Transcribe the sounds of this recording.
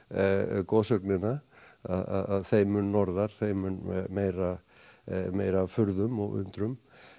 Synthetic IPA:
kɔːsœknɪna | aða̰ðaðθejmʏnːɔɾðaɾ̥θejmʏnɛðmeːjɾa | meːjɾafʏɾðʏmɔ̰ɣʏ̰nt̪ɾʏm

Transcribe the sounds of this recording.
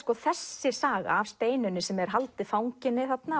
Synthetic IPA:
kɔθɛsːɪsaːɣavst̪eːjnʏnɪsɛmɛɾ̥ɦalt̪ɪfawŋcɪnːɪθat̪na

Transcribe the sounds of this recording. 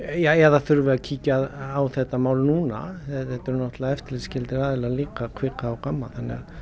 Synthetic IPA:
jaɛɾðaθʏɾvɪacʰiːcaðaːwθɛht̪ːamaːwlnuːna̰ɛθɛt̪ɛɾnɔht̪laðɛft̪ɪlɪscɪlt̪ɪɾaːðɪlaliːkakʰvɪkaawkamːaθanːɛ̰ɣað

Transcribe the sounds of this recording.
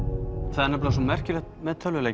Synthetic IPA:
θaðɛɾnɛmplaas̬ɔmɛr̥cɪlɛxt̪̚mɛðt̪ʰœlːʏleː

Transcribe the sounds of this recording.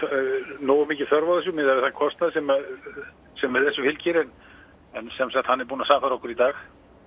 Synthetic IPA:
noːwʏmiːcɪθœɾvaðɪs̬jʏmɪðaɾvɪθankʰɔst̪naðsɛma | sɛmvɪðθɛsːʏhɪlcɪɾɪn | ɛnsɛmsɛht̪hanːɛɾpuːnasaːfθaɾɔhkʏɾit̪aːx

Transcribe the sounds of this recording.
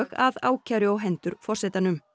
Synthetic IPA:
ɣaða̰ːwcʰaɾʏɔɦɛnt̪ʏɾfɔr̥sɛːt̪anʏm

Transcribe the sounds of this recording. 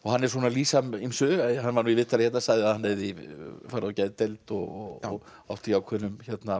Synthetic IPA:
ɔɣɦanːɛɾ̥sɔːnaliːsamimsʏɦanːvaɾnuːivɪht̪ʰːalɪçɛht̪nasaːɣðɪaðhanːeðɪfaːɾaɔcaːjðt̪ɛjlt̪ɔɣɔ̰ | a̰wht̪ɪjawkʰvɛnʏmçɛt̪na

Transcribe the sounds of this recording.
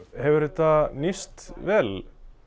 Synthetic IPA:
hɛvʏɾɪt̪anist̪vɛl

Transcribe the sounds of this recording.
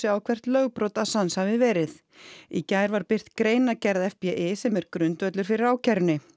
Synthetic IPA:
ɪawkʰvɛr̥t̪lœɣpɾɔt̪asanshavɪvɛːɾɪð | icaːjɾvaɾpɪr̥t̪kɾeːjnacɛɾðɛfpɛʔɪsɛmɛɾkɾʏnt̪œt̪lʏɾ̥fɪɾɪɾawcɛɾnɪ

